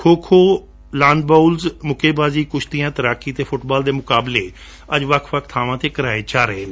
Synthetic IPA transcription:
kʰoːkʰoː | lãːnd̪̚baːulzmʊkʰeːbaːziːkʊt͡ʃʰt̪ɪjãːt̪əɾaːkiːt̪eːpʰʊʈbaːld̪eːmʊkaːbleː | əd͡ʒʋəkʰʋək̚ʰt̪ʰaːʋãːt̪eːkəɾaːeːt͡ʃaːɾəeː

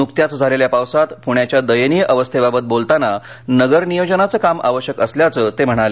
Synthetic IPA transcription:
nukt̪jat͡sd͡zʱaleljapawsat̪puɳ̃jat͡ɕjad̪əjənijəʔəʋəst̪ʰebabət̪̚bolt̪ananəɡəɾnijod͡ʑənat͡səːkamʔa̰ʋəɕjəkəsljat͡səːt̪em̤əɽ̃ale

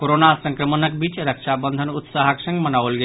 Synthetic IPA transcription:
koɾonasʌŋkɾɔmonək̚bit͡ʃɾəkʃʰabɔnd̪ʱonut̪saɦakʃəŋmɐnaolɡe

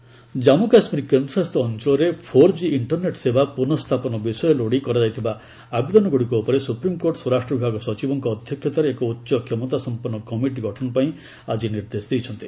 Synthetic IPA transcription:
d͡ʒamukasmiɾikend̪ɾɔsast̪ɔːnt͡ʃɔlɔɾepʰoɾd͡ʒiiɳʈɔɾneʈsebapunɔst̪ʰapɔnɔbisɔjɔloɽikɔɾad͡ʒajt̪ʰiba | abed̪ɔnɔɡoɽikuupɔɾesupɾimkoɾʈsɔɾasʈɾɔbʱibʱaɡɔsɔt͡ʃibɔŋkɔːd̪ʱjɔkʰjɔt̪aɾeːkɔut̪ːʃɔkʰjemɔt̪asɔmpɔnːɔkɔmiʈ̬iɡʱɔʈʰɔnɔpaĩ | ad͡ʒiniɾd̪esɔd̪ijt͡ʃʰɔnt̪i

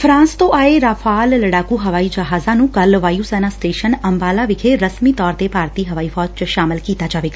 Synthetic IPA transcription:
fʰɾãːnst̪õːʔaːeɾaːpʰaːlləɽaːkuːɦəʋaːiːd͡ʒəɦaːzãːnũːkəlʋaːjuːsɛːnaːsʈeːʃənəmbaːlaːʋɪkʰeɾəsmiːt̪ɔːɾt̪eːpaːɾt̪iːɦəʋaːiːfʰɔːd͡ʒt͡ʃʃaːmɪlkiːt̪aːd͡ʒaːʋeːɡaː

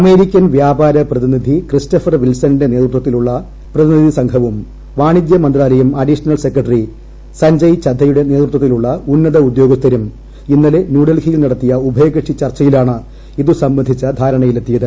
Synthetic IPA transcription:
ɐme̞ːɾikʲːɐnʋjaːbaːɾɐprɐðinid̪ʱikristɐfɐrʋilsɐninde̞ne̞ːd̪rut̪wɐt̪ːiluɭːɐ | prɐðinid̪ʱisɐŋɡʰʱɐʋum | ʋaːɳid̪jɐmɐnd̪raːlɐjumɐɖiʂɐnɐlse̞krɐʈri | sɐɲd͡ʑɐjt͡ɕɐd̪ʱːɐjuɽe̞ne̞ːd̪rut̪wɐt̪ːiluɭːɐunːɐðɐud̪jo̞ːɡɐst̪ːɐɾum | inːɐlenjuːɽɐlɡʰijilnɐɽɐt̪ːijɐubʱɐjɐɡɐʂit͡ɕɐrt͡ɕːɐjilaːɳɨ | iðusɐmbɐnd̪ʱit͡ɕːɐd̪ʱaːɾɐɳɐjilet̪ːijɐðɨ

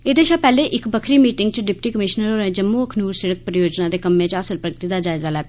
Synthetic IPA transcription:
eːd̪eːʃaːpɛːleːʔɪkbəkʰɾiːmiːʈɪŋɡt͡ʃɖɪp̚ʈiːkəmɪʃnəɾoːɾẽːd͡ʒəmːuːəkʰnuːɾsɪɽək̚pɾəjoːd͡ʒnãːd̪eːkəmːẽːt͡ʃaːsəlpɾəɡt̪iːd̪aːd͡ʒaːɪzaːlɛː

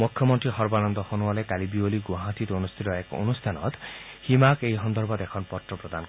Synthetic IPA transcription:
mukʰːjɔmɔnt̪ɾiɦɔɾbanɔnd̪ɔhonuɦɔlekalibioliɡuɦat̪it̪onust̪ʰit̪ɔeko̰nust̪ʰanɔ̰t̪ | himakejɦɔnd̪ɔɾbɔd̪ekʰɔnpɔt̪ɾɔpɾɔd̪an

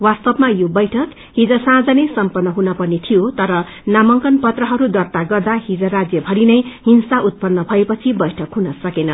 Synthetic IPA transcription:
wast̪ʌbmajobʌjʈʰʌk | ɦid͡zʌsãd͡zʌnesʌmpʌrnːʌɦunʌpʌnit̪ʰijot̪ʌɾʌ | namʌŋkʌnpʌt̪rʌɦʌɾud̪ʌrt̪aɡʌrd̪aɦid͡zʌrad͡zjʌbʱʌɾinʌjhinsaʔut̪̚pʌnːʌbʱʌepʌt͡sʰibʌjʈʰʌkɦunʌsʌkenʌ

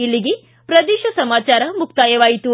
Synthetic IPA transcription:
ilːiɡe | pɾɐd̪iːʃɐsɐmaːt͡ʃaːɾɐmuk̚t̪aːjɐʋaːjit̪u

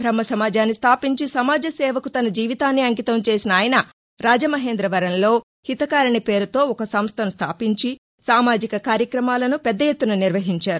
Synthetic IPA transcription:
bʱɾɐmɐsɐmaːd͡ʒaːnːist̪ʰaːpiɲt͡ʃisɐmaːd͡ʒɐsɛːʋɐkut̪ɐnɐd͡ʒiːʋit̪aːnːiɐŋkit̪ɐmt͡ʃe̞ːsinɐaːjɐnɐ | ɾaːd͡ʒɐmɐɦe̞ːnd̪ɾɐʋɐɾɐnlo̞ː | hit̪ɐkaːɾɐɳipe̞ːɾut̪o̞ːɔkɐsɐmst̪ʰɐnust̪ʰaːpiɲt͡ʃi | saːmaːd͡ʒikɐkaːɾjɐkɾɐmaːlɐnupɛd̪ːɐjet̪ːunɐniɾʋɐɦiɲt͡ʃaːɾu

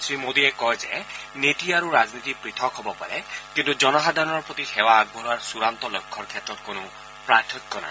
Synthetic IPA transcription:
sɾimod̪iekɔɦed͡ʒḛneʈiaɾuɾad͡ʒnit̪ipɾit̪ʰɔkɦɔbɔpa̰ɾekint̪ud͡ʒɔnɔɦad̪ʱaɾɔɾpɾɔt̪ixewaːɡ̚bʱɔɾaɾsuɾant̪ɔlɔkʰːɔɾkʰjet̪ɾɔt̪̚konu | pɾatʰɔkːɔna̰

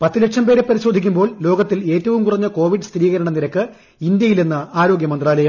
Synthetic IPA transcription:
pɐt̪ːileʈʂɐmpe̞ːɾepɐɾiɕo̞ːd̪ʱikʲːumbo̞ːɭlo̞ːɡɐt̪ːile̞ːtːɐʋumkurɐɲːɐko̞ːʋiɖɨst̪ʰɾiːɣɐɾɐɳɐniɾɐkːɨ | ind̪jɐjilenːɨaːɾo̞ːɡjɐmɐnd̪raːlɐjɐm

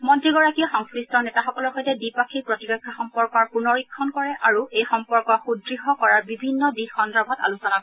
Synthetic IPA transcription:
mɔntɹiɡɔɹakijɔxɔŋskɹistɔnɛtaxɔkɔlɔɹxɔjtɛdipakʰiɹpɹɔtibɛkʰːaxɔmpɔɹkɔɹpunɔɹikʰːɔnkɔɹɛʔʔaɹuʔejxɔmpɔɹkɔxudɹiɦɔkɔɹaɹbibʱinːɔdixɔndɹɔbʱɔta̰lusɔnakɔ

